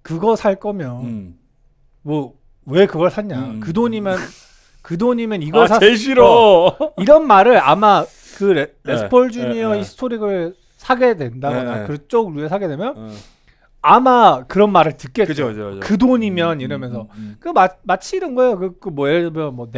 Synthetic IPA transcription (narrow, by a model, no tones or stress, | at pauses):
kɯɡʌsʰaɭk͈ʌmjʌn | mwʌ | we̞kɯɡʌɭsʰaɲakɯdoɲimjʌn | kɯdoɲimjʌniɡʌsʰeɕ̬ʰiɾo | iɾʌnmaɾɯɾama | kɯɾesɯpʰʌɭd͡ʑuɲiʌisʰɯ̥tʰoɾiɡɯɭ | sʰaɡe̞dwe̞ndaɡoakɯɾt͡ɕ͈oɡ̚ɾuesʰaɡe̞dwe̞mjʌn | amakɯɾʌnmaɾɯɭtɯk͈e̞t͡ɕkɯt͡ɕkɯdoɲimjʌniɾʌmjʌnsʰʌkɯmamat͡ɕʰiɾɯnɡʌejokɯkomwʌeʌmjʌnmwʌn